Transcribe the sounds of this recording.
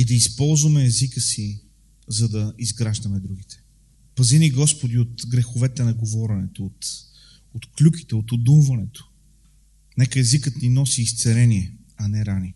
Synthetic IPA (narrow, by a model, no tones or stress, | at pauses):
id̪ɐispɔlˠzvɐmɛːzikəsi | zɐd̪ɐizɡɾaʒd̪ɐmɛd̪ɾuɡ̟it̪ɛ̥ | pɐziniɡɔspod̪iot̪ɡɾɛxovɛt̪ɛnɐɡovɔɾɛnɛt̪oot̪ | ot̪klʲuki̥t̪ɛot̪od̪umvɐnɛt̪o̥ | nɛkəɛzikət̪ninɔsiːst̪sɛɾɛniɛ | ɐnɛɾani